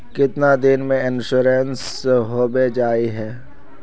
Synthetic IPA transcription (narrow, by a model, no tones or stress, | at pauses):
kɪt̪nad̪ɪnmẽɪnʃʊɾens | ɦoːbed͡ʒaːiɦɛː